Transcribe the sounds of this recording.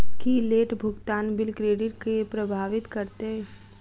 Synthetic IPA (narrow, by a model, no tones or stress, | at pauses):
kileːʈbʱʊɡt̪aːnbɪlkɾeːɖɪʈ̚keepɾɐbʱaːʋɪt̪kɐɾt̪e